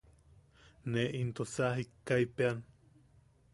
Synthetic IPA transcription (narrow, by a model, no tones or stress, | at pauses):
neʔint̪osaɦikːaipean